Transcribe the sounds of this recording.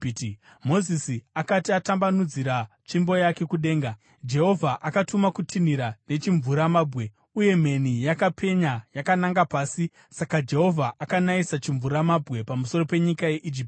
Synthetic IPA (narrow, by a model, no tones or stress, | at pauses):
mo̞zisiakatiatambanud͡ziɾa | t͡ʃimbo̞jake̞kuɗe̞ːŋɡa | d͡ʒe̞ɦo̞vʱaʔakatumakutʰiniɾane̞t͡ʃiɱvuɾamaːbʱɣe̞ | uje̞m̤e̞nijakapʰe̞ɲajakanaŋɡapaːsi | sakad͡ʒe̞ɦo̞vʱaʔakanaisat͡ʃiɱvuɾamabʱɣe̞pamuso̞ro̞pe̞ɲikaje̞ʔid͡ʒip